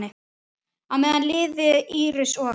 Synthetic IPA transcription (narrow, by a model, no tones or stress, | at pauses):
nɪ | awmɛːðanlɪːðɪiːɾɪsɔ